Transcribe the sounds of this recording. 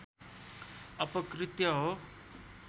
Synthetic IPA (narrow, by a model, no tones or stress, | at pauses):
ʌpʌkrit̪jʌɦo